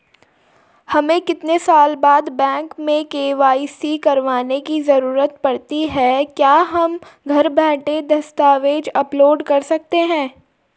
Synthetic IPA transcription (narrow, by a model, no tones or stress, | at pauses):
hɐmẽkɪt̪nesaːlbaːd̪bɛ̃ːŋkmẽkeːʋaːisikɐɾʋaːnekizɐɾuːɾət̪pɐɽt̪iɦɛkjaːɦɐmɡʱɐɾbɛ̃ːʈed̪ɐst̪aːʋeːd͡ʒɐploːɖkɐɾsɐk̚t̪eɦɛ̃ː